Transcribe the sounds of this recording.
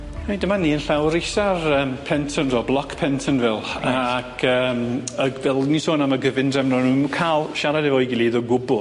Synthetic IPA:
hejdəmaniːənɬawɾɪsarəːmpʰɛntʰənvɔːblˠɔkʰpʰɛntʰənvɛlˠkʰəːməɡvɛlˠnisoːnamaɡəvɪndrɛmnɔnuːnkʰaːlˠʃaɾadɛvɔɨɡɪlˠiðɔɡʊbʊlˠ

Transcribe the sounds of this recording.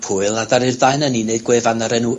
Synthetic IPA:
pʰʊɨlˠnadaɾɪrðaɨnənineɨdɡweːvanəɾɛnu

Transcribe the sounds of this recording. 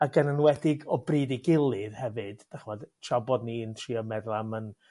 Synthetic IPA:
aɡənənwɛdɪɡɔbridɪɡɪlˠɨðhɛvɨd̥ːaχmɔdtʰrabɔdnintʰriːɔmɛðlˠamən

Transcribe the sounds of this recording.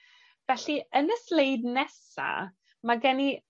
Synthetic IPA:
v̥ɛɬiənəslejdnɛsa̰ | maɡɛni

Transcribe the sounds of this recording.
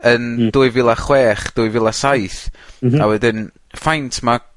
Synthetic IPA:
ənd̥ʊːɨjvɪlˠaχwɛːχd̥ʊːjvɪlˠasajθawɛdɪn | fajntʰma

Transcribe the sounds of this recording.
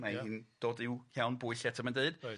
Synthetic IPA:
mahiːnd̥oːdɪwhjawnbʊɨɬjɛtʰamandeɨd̥

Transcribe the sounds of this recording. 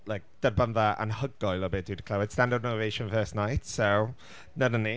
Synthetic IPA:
lajk̚d̥əd̚bənðaʔə̰nhəɡɔjlˠɔbeːdudə̥kʰl̥awɪd̥stãndənavejʃə̃nfɜːstnajtsow | nənəni

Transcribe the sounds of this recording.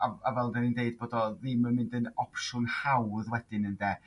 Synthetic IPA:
aavɛlˠdɛnindeɨd̚boːdɔðiːməmɪ̃ndənɔpʰʃʊnhawðwɛd̥ɪnəndɛː

